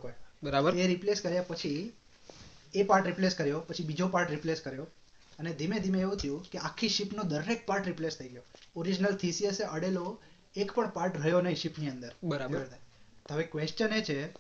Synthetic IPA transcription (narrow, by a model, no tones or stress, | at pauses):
kojbəɾabəɾeɾipleskəɾjapət͡ʃʰi | epaɾʈɾipleskəɾjopət͡ʃʰibid͡ʒopaɾʈɾipleskəɾjo | əned̪imed̪imeeʋũt̪ʰəjũkeakʰːiʃipnod̪əɾːek̚paɾʈɾiplest̪ʰəiɡəjooɾid͡ʒnəlt̪ʰisieseʔəɽelo | ekpəɳpaɾʈɾəjonəiʃipniənd̪əɾbəɾabeʋəɾt̪at̪oɦəʋekʋeʃt͡ʃənet͡ʃʰe